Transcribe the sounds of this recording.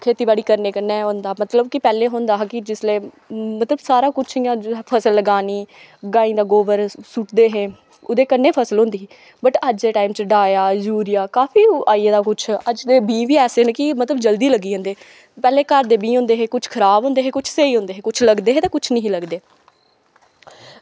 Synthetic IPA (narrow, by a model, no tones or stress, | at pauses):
kʰeːt̪iːbaːɽiːkəɾneːkənːeːɦõːnd̪aːmət̪ləbkɪpɛːleːɦoːnd̪aːɦkɪd͡ʒɪsleː | mət̪ləbsaːɾaːkʊt͡ʃʰijãːpʰəsəlːəɡaːniː | ɡãːĩːd̪aːɡoːʋəɾsuʈd̪eːɦẽː | ʊd̪eːkənːeːpʰəsəlɦõːnd̪iːɦː | bəʈəd͡ʒeːʈaːimt͡ʃəɖaːjaːd͡ʒuːɾɪjaːkaːfiːaːieːd̪aːkʊt͡ʃʰəd͡ʒd̪eːbĩːʋiːɛːseːnəkɪmət̪ləbd͡ʒəld̪iːləɡiːɦõnd̪eː | pɛːleːkəɾd̪eːbĩːɦõːnd̪eːɦẽːkʊt͡ʃʰkʰəɾaːbɦõːnd̪eːɦẽːkʊt͡ʃʰseiːɦõːnd̪eːɦẽːkʊt͡ʃʰləɡd̪eːɦeːt̪ãːkʊt͡ʃʰnəɦĩːləɡd̪eː